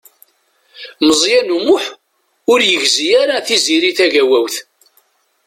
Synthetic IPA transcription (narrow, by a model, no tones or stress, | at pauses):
məzˤjænumʊħ | ʊɾjəʝzijaɾaθiziɾiθæʝæwæwθ